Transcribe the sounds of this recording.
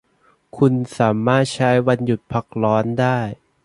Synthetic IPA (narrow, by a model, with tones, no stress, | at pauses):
kʰu˧nsaː˩˦maː˥˩t̪̚t͡ɕʰa˦˥jwa˧nju˨˩t̪̚pʰa˦˩k̚lɔː˦˥ndaː˥˩j